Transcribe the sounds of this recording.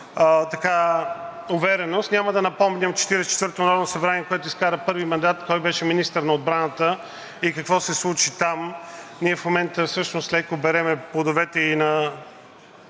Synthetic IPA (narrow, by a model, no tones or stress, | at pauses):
ət̪ɐka | ʊvɛɾɛnost̪nʲaməd̪ɐnɐpɔmnʲəmt͡ʃɛ̥t̪iɾɛst͡ʃɛ̥t̪vɤɾt̪onɐɾɔvnosɐbɾaniɛkoɛt̪ʊiskaɾəpɤɾvimɐnd̪at̪kɔjbɛʃɛminist̪əɾnɐod̪̚bɾanət̪ə | ikɐkvɔsɛslˠut͡ʃit̪amniɛfmomɛnt̪əfsɤʃnost̪lɛkobɛɾɛmɛpod̪ovɛt̪ɛinɐ